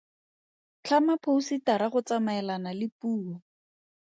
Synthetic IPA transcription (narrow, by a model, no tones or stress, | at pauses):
t͡ɬʰamapʰousitaɾaχʊt͡samaɛlanalɪpuːɔ